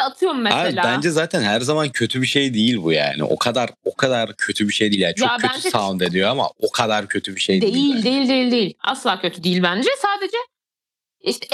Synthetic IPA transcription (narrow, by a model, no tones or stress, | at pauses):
at̪ʰɯjoɾumːeaviabænd͡ʒɛzaːt̪ʰænhæɾzamancʰø̞t̪ʰybiʃe̞jd̪ejilʲbuja̰ːnɪ̰ʔo̞̰kʰad̪aɾo̞kʰad̪aɾcʰø̞t̪ʰybiʃejd̪iːljant͡ʃʰːøætnysʰand̪ed̪ijo̞ama̰o̞kʰad̪aɾcʰø̞t̪ʰybiʃejd̪ejilʲdd̪ejilʲd̪ejilʲd̪ejilʲa̰slˠaːcʰøt̪ʰyd̪ejilʲbænd͡ʒɛsaːd̪e̞d͡ʒɛ | iʃt̪ʰɛ